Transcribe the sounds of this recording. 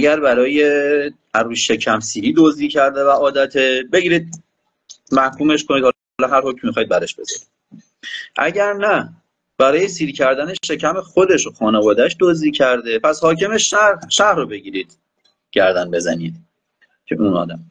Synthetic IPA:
ʔæɟæɾbæɾɒːje | æɾuːʃe̞cʰæmsiːhiːd̪oziːcʰæɾd̪evæɒːd̪æt̪ʰebe̞ɡiːɾiːd̪̚ | mæhkʰuːmeʃkʰoniːd̪hɒ | lɒɦæɾhocmmːixɒːid̪bæɾeʃb̥e̞zɒ̰ɾid̪ | ʔæ̰ɟæɾnæ | b̥æɾɒːjesiːɾicʰæɾd̪æneʃecʰæmexod̪e̞ʃoxɒːnevɒːd̪æʃd̪oziːcʰæɾd̪e̞pʰæshɒːcʰe̞meʃæʃæhrobe̞ɡiːɾiːd̪̥ | ɟ̥æɾd̪ænbe̞zæ̰niːd̪̚ | cʰḛʔuːnɒ̰ːd̪æm

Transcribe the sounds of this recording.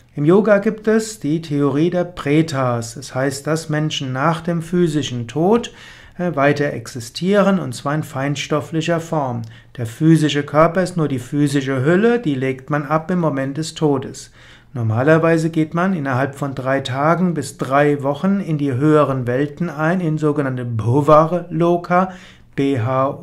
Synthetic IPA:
ʔɪmjoːɡaɡiːptɛsd̥iːtʰeoʁiːdeːɐpʁ̥eːtʰaːsɛshaɪst̚d̥asmɛnʃn̩naːχd̥eːmfyːzɪʃn̩tʰoːt | vaɪtɐʔɛ̰ksɪstʰiːʁənʊntt͡sv̥aːɐɪnfaɪntʃtɔflɪçɐfɔɐm | d̥eːɐfyːzɪʃəkʰœɐpɐɪstnuːɐdiːfyːzɪʃ̬əɦʏləd̥iːleːktmanʔapɪmːomɛnt̚d̥ɛstʰoːdəs | nɔɐmaːlɐvaɪzəɡeːtmanɪnɐɦalpfɔndʁaɪtʰaːɡŋ̩bɪsd̥ʁaɪvɔχnɪndiːɦøːəʁənvɛltn̩aɪnɪnzoːɡənantəbovaʁəloːkʰa | b̥eːɦa

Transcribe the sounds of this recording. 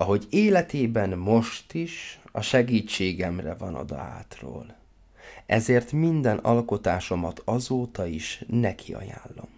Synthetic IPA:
ɒɦo̞ɟeːlɛt̪eːbɛnmo̞ʃt̪iʃɒʃɛɡiːt͡ʃːeːɡɛmrɛvɒnɒ̰d̪ɒ̰a̰ːt̪ro̰ːl | ɛzeːrt̪mind̪ɛnɒlko̞t̪aːʃo̞mɒt̪ʰɒzoːt̪ɒiʃnɛkʰiɒ̰ja̰ːlːo̞̰m

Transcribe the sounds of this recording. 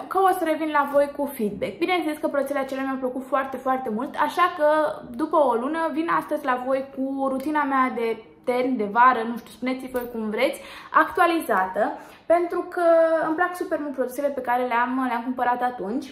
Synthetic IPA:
kəosəɾe̞vinlavo̞jkufid̪̚be̞k̚binent̪sele̞skəpɾouseleat͡ʃe̞leamjawpləkut̪foart̪e̞foart̪e̞mult̪aʃakəd̪upəo̞lunəvinast̪əzʲlavo̞jkuoɾut̪inamead̪e̞ | t̪e̞rnʲd̪e̞vaɾənuʃt̪ʲu̥spune̞t̪sivo̞jkumvɾe̞t̪sʲakt̪ualizat̪ə | pe̞nt̪ɾukəɨmplaksupe̞rmult̪pɾo̞d̪use̞le̞pe̞kaɾe̞leamleamkumpəɾat̪at̪unt͡ʃʲ

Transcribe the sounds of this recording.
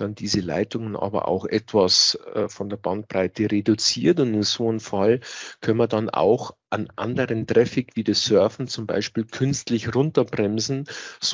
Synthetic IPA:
d̥andiːzəla̰ɪtʊŋənʔɑ̰ːbɐ̰ʔa̰ʊxʔɛtv̥asɛːfɔndeːɐbant̚pʁ̥aɪtəʁedut͡siːɐtʊndɪnzoːənfalkʰœnmɐdana̰ʊxʔanʔa̰ndəʁəntʁ̥ɛfɪkv̥iːdɐsœɐfn̩t͡sʊmba̰ɪʃpiːlkʰʏnstlɪçʁʊntɐbʁɛmzn̩z

